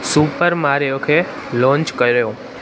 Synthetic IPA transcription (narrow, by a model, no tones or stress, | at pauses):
supəɾmaɾjokʰe | lɔ̃ːɲt͡ʃkəɾjõ